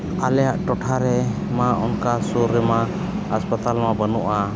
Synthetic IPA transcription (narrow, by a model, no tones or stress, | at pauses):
alɛjaʔʈɔʈʰaɾɛ | maʔɔnkasuɾːɛma | aspət̪almabənuʔa